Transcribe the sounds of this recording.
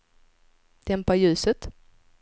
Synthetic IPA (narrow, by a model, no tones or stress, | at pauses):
d̪̥ɛmpajʉ̟ːsət̪